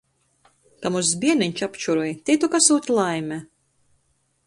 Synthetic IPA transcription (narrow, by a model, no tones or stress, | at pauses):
kamus̬biɛniɲʲt͡ʃapt͡ʃuɾuɔjt̪ʲit̪ukasuːt̪ʲlˠajmʲɛ